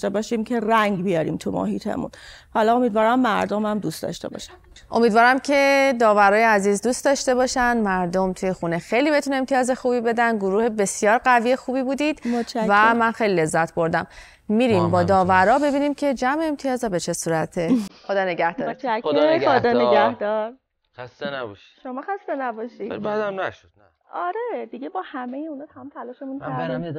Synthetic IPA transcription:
t̪ebɒːʃimcʰe̞ræŋɟbijɒːɾḭːmt̪ʰumo̰ɦḭːt̪ʰḛmṵnhɒlɒomiːd̪vɒːɾæmːæɾd̪omæmd̪ust̪ɒ̰ʃt̪e̞̰bɒ̰ːʃæ̥m | ʔo̞miːd̪vɒːɾæmcʰe̞d̪ɒːvæɾɒːjeæziːzd̪uːst̪ɒʃt̪e̞bɒːʃænd̪mæɾd̪omt̪ʰuje̞xune̞xe̞jliːbe̞t̪ʰuneemt̪ʰijɒːze̞xuːbibe̞d̪ænd̪ɡoɾuːhe̞be̞sjɒːɾɢæviːjexuːbiːbuːd̪id̪̥mot͡ʃævæmænxejliːle̞zːæt̪ʰbo̞ɾd̪æm | miːɾimbɒːd̪ɒːvæɾɒːbe̞biːniːmcʰe̞d͡ʒæmeːmt̪ʰijɒːzɒbe̞t͡ʃʰe̞suːɾæt̪ʰexod̪ɒːne̞ɡæhd̪ɒːot͡ʃʰædod̪ɒːneɡæhd̪ɒɾ | xæst̪enæbɔʃi̥ʃomɒːxæst̪enæbɒʃḭbæd̪æmnæʃod̪̥næ | ɒɾed̪iɡebɒːhæmejeunɒːt̪ʰæmumt̪ʰælɒːʃemunʰæɾ

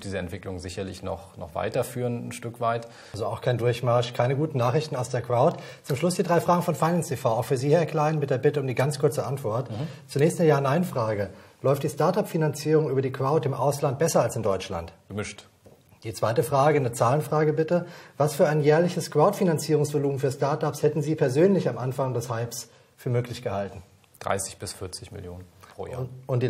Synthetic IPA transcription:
d̥iːzəɛntv̥ɪklʊŋzɪçɐlɪçnɔ̰χnɔ̰χv̥a̰ɪtɐfyːʁənn̩ʃtʏkv̥aɪt | lzoaʊxkʰaɪndʊɐçmaɐʃkʰaɪnəɡuːtn̩naːχʁ̥ɪçtn̩aʊsd̥eːɐkʁ̥aʊtt͡sʊmʃlʊsd̥iːdʁaɪfaːɡŋ̩fɔnfaɪnanstʰefaʊaʊxfyːɐziːhɛɐkʰl̥aɪənmɪt̚d̥eːɐbɪtəʊmdiːɡant͡skʰʊɐt͡səʔantv̥ɔɐtt͡sunɛːçstnəɐjaːɐnaɪnfʁ̥aːɡəlɔʏftd̥iːstaɐtapfinant͡siːʁʊŋʔyːbɐdiːkv̥aʊtɪmʔa̰ʊslant̚b̥ɛsɐalsɪmdɔʏt͡ʃla̰ntɡ̥əmɪʃt | d̥iːt͡sv̥aɪtəfʁ̥aːɡənət͡saːlənfʁ̥aːɡəbɪtəvasfyːɐaɪnjɛːɐlɪçəskv̥aʊtfinant͡siːʁʊŋsv̥oluːmfyːɐstaɐtapshɛtn̩ziːpʰɛɐzøːnlɪçamʔanfaŋdɛshaɪps | fyːɐmøːklɪçɡ̥əhaltn̩ | d̥ʁa̰ɪsɪçb̥ɪsfɪɐt͡sɪçmɪ̰ljo̰ːnə̰ | ʔʊntd̥i

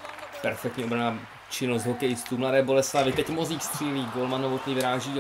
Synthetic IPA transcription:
pɛɾfɛk̚t̪ɲɛobɾanaː | t͡ʃɪnost̪ɦokɛjst̪umladɛːbo̞lɛslavɪt̪ɛcmoziːxst̪r̝̥iːliːɡolmanovot̪nivɪɾaːʒiː

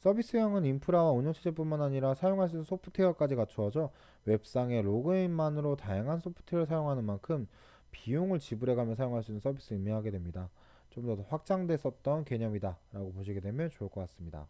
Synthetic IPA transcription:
s͈ʌbis͈ɯjʌŋɯnimpʰɯɾawauɲot͡ɕʰid͡ʑep͈unmanaɲiɾasʰajoŋɦaɭs̬͈unɯnsʰopʰɯ̥tʰewʌk͈ad͡ʑikat͡ɕʰuʌd͡ʑʌ | we̞p̚s͈aŋe̞ɾoɡɯinmanɯɾotajaŋɦansʰopʰɯ̥tʰeɾɯɭs̬ʰajoŋɦanɯnmankʰɯm | pijoŋɯɭt͡ɕibɯɾe̞ɡamjʌnsʰajoŋɦaɭs͈inɯns͈ʰʌbis͈ɯiɭmiɦaɡe̞dwe̞mɲida | t͡ɕomdʌtɸwak̚t͡ɕ͈aŋdwe̞s͈ʌt̚t͈ʌnke̞ɲʌmidaɾaɡopoɕ̬ʰiɡe̞dwe̞mjʌnt͡ɕoɭk͈ʰʌk͈as͈ɯmɲida̰

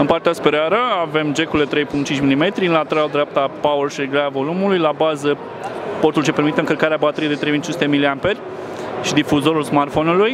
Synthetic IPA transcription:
ɨnpart̪easpeɾeaɾəave̞md͡ʒe̞kuld̪e̞t̪ɾe̞jpuŋt͡ʃint͡ʃʲmilime̞t̪ɾiɨnlat̪eɾald̪ɾeap̚t̪apawərʃiɾeɡɾaavo̞lumulujlabazə | po̞rt̪ult͡ʃe̞pe̞ɾmit̪əɨŋkəlkaɾeabat̪eɾijed̪et̪ɾejvint͡ʃinsut̪emiliampe̞rʲ | ʃid̪ifuzo̞ɾulsmart̪fonuluj

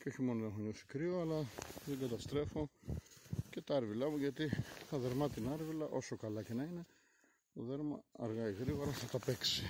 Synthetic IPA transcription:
ceoçimo̞noðenexoɲosi̥kɾioɐlɐðeɡɐt̪ɐst̪ɾe̞fo̞ | ce̞t̪ɐɐɾvilɐmuʝɐt̪it̪ɐðe̞ɾmɐt̪inɐɾvilɐʔo̞so̞kɐlɐce̞nɐine̞ | t̪o̞ðeɾmɐ̰ɐ̰ɾɣɐiɣɾiɣo̞ɾɐθɐt̪ɐpe̞ksi̥

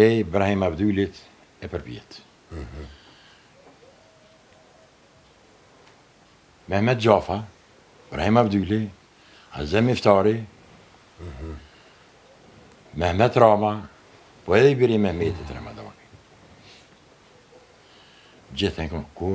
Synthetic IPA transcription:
ɛbɾahimabd̪ylit̪ | ɛpəɾpjɛ̰t̪ | mɛhmɛt̪̚d͡ʒafa | bɾahimabd̪yli | a̰zɛmift̪ɑɾi | mɛhmɛt̪ːɾaːma | pɔɛðibiɾimɛhmet̪ɛt̪ɾa̰ma̰d̪ɔ̰ni | d͡ʒiθɛkuku

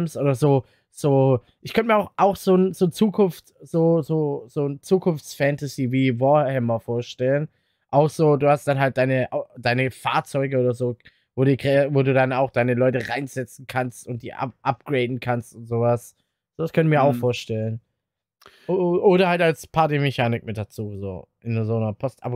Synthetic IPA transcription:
msʔoːdɐzoː | z̥oː | ʔɪçkʰœntəmiːɐaʊxʔaʊxz̥oːnz̥oːt͡suːkʰʊnftz̥oːzoːz̥oːnt͡suːkʰʊnft͡sfɛntaziːviːvɔhɛmɐfoːɐʃtɛlən | ʔaʊxz̥oːduːhastd̥anɦalt̚d̥aɪnəʔaʊd̥aɪnəfa̰ːɐt͡sɔʏɡəoːdɐzoː | voːdiːkɛvoːduːdanaʊxd̥aɪnəlɔʏtəʁaɪnzɛt͡sn̩kʰanstʊnt̚d̥iːʔa̰ʔap̚ɡ̥ʁeɪdn̩kʰanstʊntz̥oːvas | z̥oːvaskʰœnəmiːɐaʊxffoːɐʃtɛlən | ʔoːɾɐhaltalspʰaɐtimɛçaːnɪk̚mɪt̚d̥at͡suːzo̰ːʔɪnzoːnɐpʰɔstʔa̰b

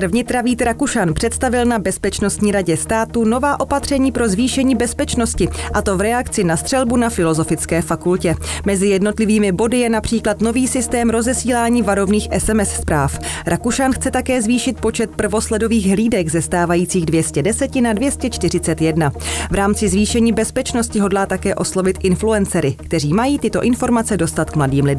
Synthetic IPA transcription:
ɾ̩vɲɪt̪ɾaviːt̪ɾakuʃanpr̥ɛt̪st̪avɪlnabɛspɛt͡ʃno̞st̪ɲiːɾaɟɛst̪aːt̪uno̞vaːʔo̞pat̪r̝̥ɛɲiːpɾo̞zviːʃɛɲiːbɛspɛt͡ʃno̞scɪʔat̪o̞vɾɛakt͡sɪnast̪r̥ɛlbunafɪlo̞zo̞fɪt͡skɛːfakulcɛmɛzɪjɛdno̞t̪lɪviːmɪbo̞dɪjɛnapr̝̥iːklat̪no̞viːsɪst̪ɛːmɾo̞zɛsiːlaːɲiːvaɾo̞vniːxʔɛsɛmɛsspɾaːfɾʔakuʃanxt͡sɛt̪akɛːzviːʃɪt̪̚po̞t͡ʃɛt̪̚pr̩vo̞slɛdo̞viːɣɦliːdɛɡzɛst̪aːvajiːt͡siːɣdvjɛscɛdɛsɛcɪnadvjɛscɛt͡ʃt̪ɪr̝ɪt͡sɛt̪jɛdnavɾaːmt͡sɪzviːʃɛɲiːbɛspɛt͡ʃno̞scɪɦo̞dlaːt̪akɛːʔo̞slo̞vɪt̪ʔɪnfluɛnt͡sɛɾɪkt̪ɛriːmajiːt̪ɪt̪o̞̰ʔɪnfo̞ɾmat͡sɛdo̞st̪at̪kmladiːmlɪd

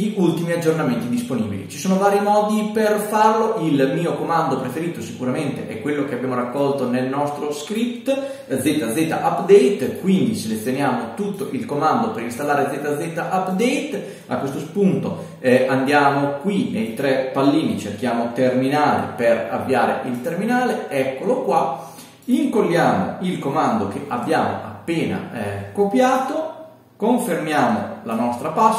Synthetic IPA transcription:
ʎiʔult̪imiad͡ʒːornament̪id̪isponḭbḭlḭt͡ʃisoːnovaːɾimɔːd̪iperfarloʔilmiːokomand̪opɾefeɾiːt̪osikuɾament̪ḛʔɛkːwelːok̟eabjaːmoɾakːɔlt̪onelnɔst̪ɾoskɾip̚t̪ | d̪zet̪ad̪zeːt̪a̰ʔapːd̪ɛejt̪kwind̪iselet̪sːjonjaːmot̪ut̪ːoʔilkomand̪opeɾinst̪alːaːɾed̪zet̪ad̪zet̪aʔapd̪ɛjt̪ | a̰kːwest̪ospunt̪o | and̪jaːmokwinejt̪ɾɛpalːiːnit͡ʃerk̟jaːmot̪erminaːlḛpera̰vːiaːɾḛʔilt̪erminaːleɛkːolokwa | iŋkolːjaːmo̰ilkomand̪ok̟eʔabːjaːmo̰apːeːna̰kopjaːt̪o | koɱfermjaːmo̰lanɔst̪ɾapas

